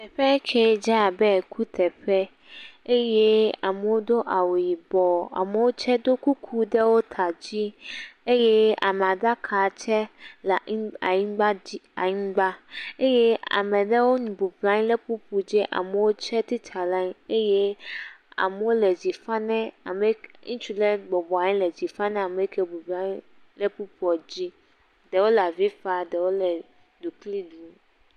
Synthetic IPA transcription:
t̪ʰɛ˨ɸɛ˦kʰɛ˦d͡ʑa˦˨bɛ˦˨kʰu˦t̪ʰɛ˨ɸɛ˦ | e˦jɛ˦a̰˨mɛ̃˨wo˦do˦ʔa˨wo˨ji˨bɔ˨a̰˨mɛ̃˨wo˦t͡ɕʰɛ˦do˦kʰu˦kʰu˦dɛ˦wo˦t̪ʰa˨d͡ʑi˦e˦jɛ˦a̰˨mɛ̃˨a˨da˦kʰaː˨t͡ɕʰɛ˦la˨˦a˨ɲĩ˦ɡ͡ba˦d͡ʑi˦a̰˨ɲĩ˦ɡ͡ba˦e˦jɛ˦a̰˨mɛ̃˨ɖɛ˦wo˦nũ˨bu˨bla˦ɲĩ˦lɛ˦pu˦pu˨d͡ʑɛ˦ʔa̰˨mɛ˨wo˦t͡ʃɛ˦t̪i˦t̪ʰa˨la˦ɲ˦e˦jɛ˦ | a̰˨mɛ˨wo˦lɛ˨d͡ʑi˨fa˦nɛ̃˦a̰˨mɛ˦ŋũ˦t͡ʃu˦lɛ˦ɡ͡bɔ˨bɔ˨a˨ɲĩ˦lɛ˨d͡ʑi˨fa˦nɛ̃˦a˨mɛ˨˦kʰɛ˨bu˨bla˦ɲĩ˦ | lɛ˦pu˦pu˦ɔ˨d͡ʑi˦ | dɛ˨wo˦la˨vi˦fa˨dɛ˨wo˦lɛ˨ | du˨kli˦du˦

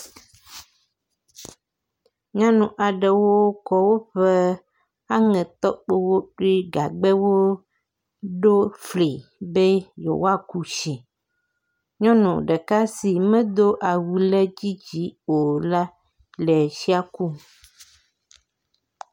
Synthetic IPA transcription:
ɲã˦nũ˨ʔa˨ɖe˨wo˦kɔ˦wo˦ɸe˦ | a˦ŋɛ̃˨t̪ɔ˦k͡pe˦wo˦ɖu˦i˦ɡa˨ɡ͡bɛ˦wo˦ | ɖo˦fli˨be˦jo̰˨wa˦˨ku˦ʃi˨ | ɲɔ̃˦nṵ̃˨ɖɛ˨ka˦si˨mɛ̃˦d̪o˦ʔa˨wu˨lɛ˦d͡ʑi˦d͡ʑi˦o˨la˦ | lɛ˨ʃi˦a˨ku˦

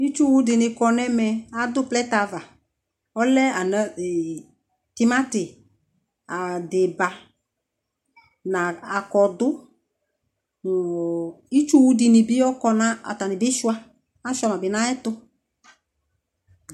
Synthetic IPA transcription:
i˦t͡ʃu˦wu˧dɪ˨nɪ˧kɔ˧nɛ˦mɛ˧a˨dʊ˦plɛ˦ta˧va˨ | ɔ˦lɛ˦a˨nɛ˦˨ | tɪ˦ma˦tɪ˨ | a˨dɪ˨ba˨ | na˨a˨kɔ˨dʊ˦˨ | ɔ˨i˦t͡ʃu˦wu˦dɪ˧nɪ˨bɪ˦ɔ˦kɔ˧na˦a̰˨ta˨nɪ˨bɪ˦ʃwa˧ | a˦ʃa˧ma˨bɪ˨na˦ɛ˦tʊ˧

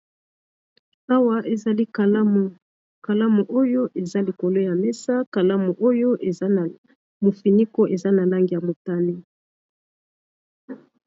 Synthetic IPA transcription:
a˦wa˦ʔe˨za˨li˦˨ | ka˨la˦mu˨ʔo˦jo˦ʔe˨za˦li˨ko˨lo˦ja˨mɛ˦sa˦ka˨la˦mu˨ʔo˦jo˦e˨˦˨ | mo˨fi˨ni˦ko˦ʔe˨za˦na˨la˦ŋɡi˨ja˨mo˨ta˦ni˦

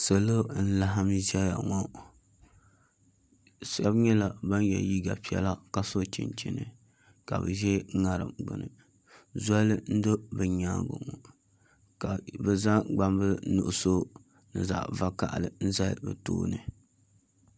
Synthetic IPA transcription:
so˨lo˦n̩˦la˦ɦa˦m˦zɛ˦ja̰˨ŋɔ˦ | sa˦bɲɛ˦la˨ba˦njɛ̰˨ji˦ɡa˨pi˦ɛ̰˦la˦ka˦so˦t͡ʃɪ̰˨nt͡ʃɪ˨nɨ˨ | ka̰˨bɨ̰˨ʒɛ˦ŋa˨ɾɨ̰˨mɡ͡bɨ̰˨nɨ˨ | za˦lɨ˦n̩˦dɨ˦bɨ˨ɲaː˦ɡʊ̰˨ŋo˨ | ka˨bɛ˨za˦ɡ͡ba˦mbɨ˦nṵ˨ʔʊ˨so˦ | nɨ̰˨za̰˨ʔva˦ka̰˦ʔa˨lɨ˨n̩˦za̰˦˨bɨ̰˨to̰ː˦nɨ˨

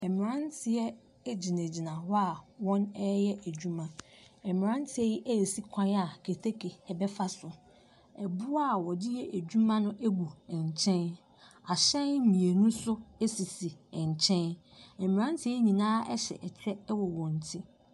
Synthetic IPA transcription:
ɛ˨mɪ̃˨ɾã˦ntʰɪ˨ɛ˦ | d͡ʑi˨nẽ˨d͡ʑi˨nã˨wɔ˦a˨wɔ̃˦nɛ˦jɛ˦ʔæ˨d͡ʑᶣu˦mã˦ | ɛ˨mɪ̃˨ɾã˦n˦tʰɪ˨ɛ˦ji˦ʔæ˦e˨si˦kʷʰã˦ja˨kʰe˨tʰe˦kʰe˨ɛ˨bɛ˦fa˦sʊ˨ | ɛ˨bʊ˦a˦˨wɔ˨dɪ˦jɛ˦ʔæ˨d͡ʑᶣu˦mã˦nʊ̃˦ʔe˦bu˨ɛ̃˨ɲ˨t͡ɕʰɛ̃˦n | a˨ɕɛ̃˦n˦mĩ˨e˨nũ˦sʊ˦e˦si˨si˨ɛ̃˨ɲ˨t͡ɕʰɛ̃˦n | ɛ˨mɪ̃˨ã˦n˦tʰɪ˦ɛ˦ɲĩ˨nãː˦ɛ˦ɕɛ̰˨ʔɛ˨t͡ɕʰɾɛ˦wɔ˨wɔ̃˨n˨tʰi˦

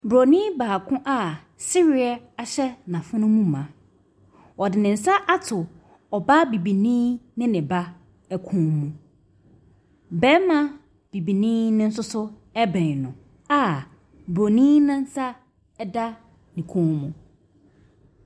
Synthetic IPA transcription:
bɾo˨nĩː˦baː˨kʰʊ̃˦ʔa˦ | si˦ɾi˦˨a˨ | a˨ɕɛ˦nã˨fʊ˦nʊ̃˦mũ˦˨mã˨ | ɔ˨dɪ˨nɪ̃˨n̩˨sa˦ʔa˦tʰʊ˨ | ɔ˨ba˦bi˨bi˨nĩː˦nɪ̃˦nɪ̃˨ba˦ | ɛ˨kʰũ˦nmũ˨ | bɛ̃˦mã˦ | b̥i˨bi˨nĩː˦nɪ̃˦n̩˦sʊ˦sʊ˦ | ɛ˦bɛ̃˨nʊ̃˨ | a˨ | bɾo˨nĩː˦nʊ̃˦n̩˦sa˦ | ɛ˦da˦ | nɪ̃˨kʰũ˦nmũ˨

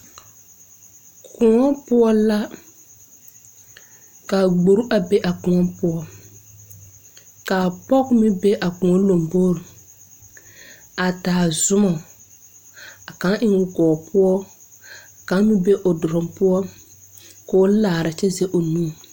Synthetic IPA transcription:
kʰʊ˨ŋɔ˦pʊ˦ɔ˦la˦ | kaː˨ɡ͡bo˨ɾu˦ʔa˨be˦ʔa˨kʊ˨ŋɔ˦pʊ˦ɔ˦ | ka˨pɔ˦kmɪ˦be˦ʔa˨kʊ̃˨ɔ˦lo˨mboː˦ɾi˨ | a˨taː˨zʊ˦mɔ˨ | a˨ka˨˦ʔɪ˦ŋʊ˨kɔː˨pʊ˦ɔ˦ | a˨ka˨˦mɪ˦be˦ʔo˨dʊ˨ɾʊ˨mpʊ˦ɔ˦ | ko˦laː˨ɾa˨t͡ʃɛ˦zɛ˦ʔo˨nũː˦˨

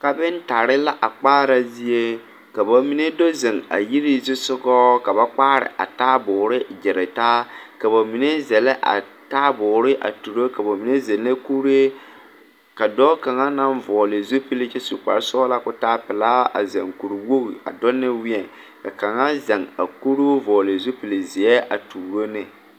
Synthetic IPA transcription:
ka˨bɪ˦nta˨ɾɪ˦la˦ʔa˨k͡paː˦ɾa˦zi˦e˦ | ka˨ba˨mi˦ne˦do˦zɛ˨ŋa̰˨ji˦ɾi˦zɪ˦sʊ˦ɡɔː˦ka˨ba˦k͡paː˦ɾɪ̰˨ʔa̰˨taː˦bʊː˨ɾɪ˦d͡ʒɛ˨ɾɪ˨taː˦ka˨ba˨mi˨ne˦zɛ˨lɪ˦ʔa̰˨ | taː˦bʊː˨ɾɪ˦ʔa̰˨tu˨ɾo˦ka˨bo˨mi˨ne˦zɛ˨nː˦e˦ku˦ɾe˦ | ka˨dɔ˦ka˨ŋa˦na˦nvɔː˨lɪ˨zo˦pi˦lɪ˦t͡ʃɛ˦su˨k͡pa̰˨ɾsɔː˦la˦kʊ˦taː˦pɪ˨laː˦ʔa̰˨zɛ̰˨ŋku˨ɾwo˦ɣi˨a̰˨dɔ˦nːɪ˦wɪ˦ɛ˨ | ka˨ka˨ŋa˦za˨ŋa̰˨ku˦ɾu˦vɔː˨lɪ˨zo˦pi˨lɪ˨zɪ˨ɛ˦ʔa˨tuː˨ɾo˦nɪ˦˨

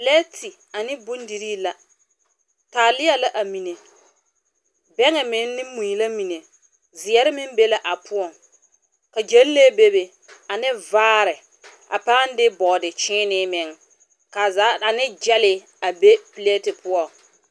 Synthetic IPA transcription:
plɛ˦tʰɪ˨ | a˨nɪ˦bʊ˦ndi˨ɾiː˦la˦ | taː˨lɪ˦ja˨la˦ʔa˨mi˨ne˨ | bɛ˦ŋɛ˨mɪ˨nː˦ɪ˦mu˨i˨la˦mi˨ne˨ | zɪ˨ɛ˦ɾɪ˦mɪ˦m˦be˦la˦ʔa˨pʰʊ˦ɔ˨ŋ | ka˨d͡ʒɛ˦lle˦be˦be˨ | a˨nɪ˦vaː˦ɾɪ˨ | a̰˨paː˦n˦dɪ˦bɔː˨dɪ˨t͡ʃɪː˦nɪ˦mɪ˨ŋ | ka˨zaː˨˦a˨nɪ˦d͡ʒɛ˦lɪ˦˨ | a˨be˦pi˨lɛ˦tɪ˨pʊ˦ɔ˨ŋ

